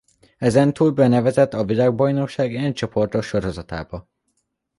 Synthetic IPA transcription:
ɛzɛnt̪uːlbɛnɛvɛzɛt̪ːɒvilaːɡ̚bɒjno̞kʃaːɡɛɲt͡ʃo̞po̞rt̪o̞ʃʃo̞ɾo̞zɒt̪a̰ːbɒ

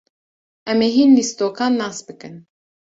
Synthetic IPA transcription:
ʔɛmeːɦinlist̪oːkʰɑːnːɑːsbɨkɨn

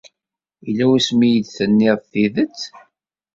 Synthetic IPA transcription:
ilːæwæsmijəd̪θənːiʁθiðət͡sː

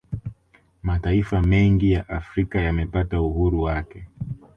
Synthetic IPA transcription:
mataifamɛŋɡijaʔafɾikajamɛpatauhuɾuwakɛ

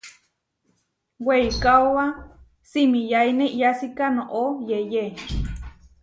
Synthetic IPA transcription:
weikaowa | simijaineʔijasikanoʔojeje

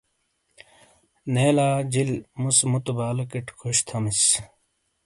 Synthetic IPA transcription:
neːlaːd͡ʑilmusmut̪ubaːlɐkiʈkʰuɕt̪ʰɐmis

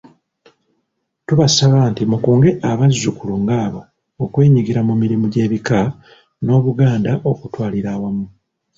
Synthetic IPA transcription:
tuβasaβaːntimukuːŋɡe̞ʔaβazːukuluŋɡaːβo̞ː | kwe̞ːɲiɡiɾamumiɾimuɟe̞ːβika | no̞ːβuɡaːndaʔo̞kutwaːliɾaːwamu

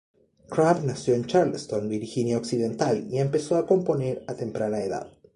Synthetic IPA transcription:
kɾaβnasjo̞ent͡ʃaɾlst̪o̞nbiɾxinjaoksiðe̞nt̪alie̞mpe̞so̞ako̞mpo̞ne̞ɾat̪e̞mpɾanaeða̰ð

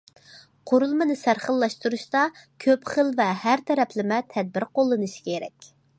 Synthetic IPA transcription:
qʰoɾulˠmɨnɨsæɾχəlˠːɑʃt̪uɾuʃt̪ɑkʲʰøpχəlˠvɛhæɾt̪ʰɛɾɛpʰlɪmɛt̪ʰɛd̪̚bɪɾqʰolˠːɨnɨʃi̥kʲʰeɾɛkʲ

